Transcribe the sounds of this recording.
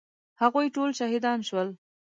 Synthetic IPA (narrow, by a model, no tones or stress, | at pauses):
haɣujʈolʃaɦid̪ɑnʃwəl